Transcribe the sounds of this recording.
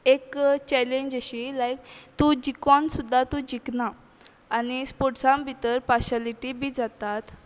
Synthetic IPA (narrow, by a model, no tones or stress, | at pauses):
ekt͡ɕɛlẽɲd͡ʑaɕilajk̚t̪ũd͡ʑikɔnsud̪ʱːat̪ũd͡ʑiknaː | nispoʈsãmbʱit̪əɾpaɕaliʈibʱiːd͡zat̪at̪